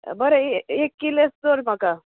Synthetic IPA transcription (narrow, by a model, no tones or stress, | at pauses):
bəɾeeekːilest̪oɾm̤aka